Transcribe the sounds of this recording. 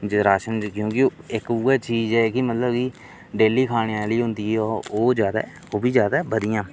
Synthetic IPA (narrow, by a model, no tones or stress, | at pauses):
d͡ʒɪɾaːʃənd͡ʒkjõːkɪɪkuːɛːt͡ʃiːd͡ʒɛːkɪmət̪ləbkiː | ɖeːliːkʰaːɽ̃ejãːliːɦʊ̃nd̪iːɦɛːooːd͡ʒjaːd̪a̰ː | oːbʱiːzjaːd̪aːbəd̪ɪjãː